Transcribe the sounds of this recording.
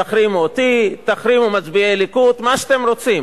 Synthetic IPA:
aχɾimot̪it̪aχɾimumat͡sbielikut̪maʃeat̪emɾo̞t͡sim

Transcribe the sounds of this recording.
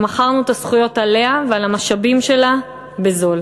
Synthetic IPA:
maχaʁnuet̪asχujo̞tale̞avealamaʃabimʃe̞la | be̞zo̞l

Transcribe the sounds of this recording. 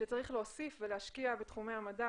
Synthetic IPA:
ʃet͡saʁiχleosifveleɦaʃkiabetχumeamada

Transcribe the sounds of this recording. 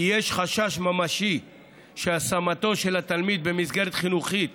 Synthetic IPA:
ijeʃχaʃaʃmamaʃi | ʃeasamat̪o̞ʃe̞lat̪almid̪̚be̞mizɡeʁet̪χinuχit̪

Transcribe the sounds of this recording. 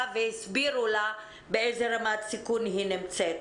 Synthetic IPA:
vejisbiɾula | beezeɾamat̪sikunɦinimt͡set̪

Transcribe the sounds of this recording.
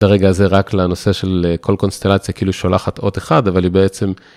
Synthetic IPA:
aʁe̞ɡaːze̞ʁaklano̞se̞ʃe̞lkʰo̞lko̞nst̪elat͡sjakeʔiluʃolaχat̪o̞t̪eχad̪avalibeet͡se̞m

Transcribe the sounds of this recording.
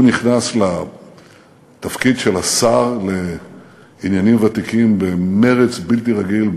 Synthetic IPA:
niχnasla | t̪afkidʃelasaʁle | injanimvat̪ikimbeme̞ʁet͡sbilt̪iʁaɡil

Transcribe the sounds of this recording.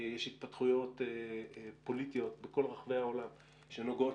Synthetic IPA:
jeʃit̪̚patχujo̞t̪epo̞lit̪ijo̞t̪beko̞lʁaχve̞jao̞lam | ʃe̞no̞ɡo̞t

